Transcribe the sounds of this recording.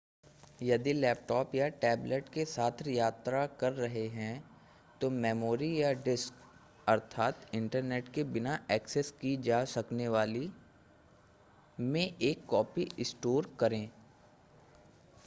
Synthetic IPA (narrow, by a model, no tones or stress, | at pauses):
jɐd̪ilɛːp̚ʈɔːpjaʈɛːbləʈkesaːt̪ʰɾjaːt̪ɾakɐɾːɐɦeɦɛ̃ | t̪omɛːmoːɾijaɖɪsk | ɐɾt̪ʰaːt̪ɪ̃ɳʈəɾneːʈkebɪnaʔɛːkseskid͡ʒaːsɐkneʋaːli | mẽʔeːkːɔːpiɪsʈoːɾkɐɾẽː